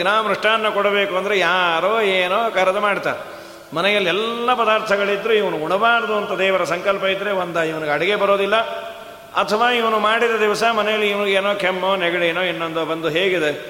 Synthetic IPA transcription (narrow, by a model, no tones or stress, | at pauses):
naːmɾuʂʈaːnːɐkoɽɐbe̞ːkuɐnd̪ɐɾejaːɾoːeːnoːkɐɾɐd̪ɐmaːɽt̪a̰ːɾ | mɐnɛjɐlːiɛlːɐpɐd̪aːɾt̪ʰɐɡɐɭid̪ːɾuiʋɐnuuɳɐbaːɾɐd̪uɐnt̪ɐd̪ɛːʋɐɾɐsɐŋkɐlpɐid̪ːɾeʋond̪aːiʋɐnuɡeɐɽɐɡe̞bɐɾoːd̪ilːɐ | ɐt̪ʰɐʋaːiʋɐnumaːɽid̪ɐd̪iʋɐsɐmɐnɛjɐlːiːʋɐnuɡeːnoːkʰemːoːnɛɡɐɽeːnoːinːond̪obɐnd̪uɦeːɡid̪e